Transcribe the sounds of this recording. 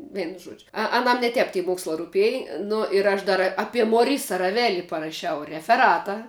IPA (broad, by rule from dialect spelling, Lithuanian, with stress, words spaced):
ˈʋʲiɛnʊ ˈʒuɔd͡ʒʲʊ ɐ ɐˈnɐm nʲɛ ˈtʲɛp tʲɪ ˈmoːkslˠɑː rʊˈpʲeːj ˈnʊ ɪr ɐʃ ˈdɐr ɐpʲiɛ moːˈrʲɪsɐ rɐˈʋʲæːlʲɪ pɐrɐˈʃʲɛʊ rʲɛfʲɛˈrɑːtɐ